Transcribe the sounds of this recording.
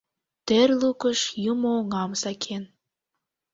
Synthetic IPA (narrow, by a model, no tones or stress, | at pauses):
t̪erlukəʃjumooŋɑmsɑkʰen